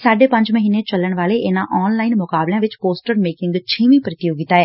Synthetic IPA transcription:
saːɖeːpə̃ɲd͡ʒməɦiːneːt͡ʃəlːəɳʋaːleːʔɪnãːʔɔːnlaːiːnmʊkaːbljãːʋɪt͡ʃpoːsʈəɾmeːkɪ̃ŋɡt͡ʃʰiːmĩːpɾɪt̪joːɡɪt̪aːɛː

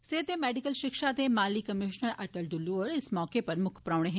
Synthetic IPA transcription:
seːt̪emeːɖikəlʃɪkʃat̪emaːlikɐmiʃnəɾɐtəlɖ̪ulːuʋəɾɪsmɔːkepɐɾmʊkʰpɾaːʋɳeɦẽ

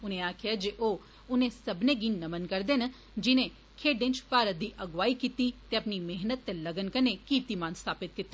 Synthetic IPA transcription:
ʊnẽːaːkʰɪaːd͡ʒeʔoː | ʊnẽːsəbnẽːɡiːnəmənkəɾd̪eːnə | d͡ʒɪnẽː | kʰeːɖɪ̃nt͡ʃpaːɾət̪̚d̪iːʔəɡʋaːiːkiːt̪iːt̪eːəpniːmeɦnət̪ːeləɡənkəneːkiːʋt̪iːmãːnst̪ʰaːpɪt̪̚kɪt̪ːe

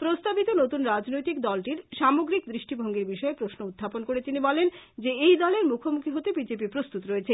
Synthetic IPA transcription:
pɾost̪abit̪onot̪unɾad͡ʑnojt̪ikd̪ɔlʈiɾʃamoɡɾik̚d̪ɾiʃʈibʱoŋɡeɾbiʃɔepɾosnoud̪ʱːaponkoɾet̪inibɔlend͡ʑeejd̪ɔleɾmukʰomukʰiɦot̪ebid͡ʑepipɾost̪ut̪ɾoet͡ɕʰe

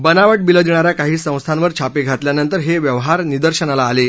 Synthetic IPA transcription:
bənaʋəʈ̚biləd̪iɳ̃aɾjakaɦiːsə̃w̃st̪ʰanʋəɾt͡ɕʰapeɡʱat̪ljanənt̪əɾɦeʋjəʋɦaɾnid̪əɾɕənalaːle

